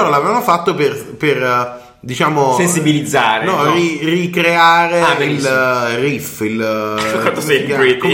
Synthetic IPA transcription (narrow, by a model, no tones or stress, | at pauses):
oɾalavɾvamofat̪ːoperper | d̪it͡ʃaːmosensibilid̪zːaːɾenɔirikɾeaːɾeailrifilant̪osɛɡi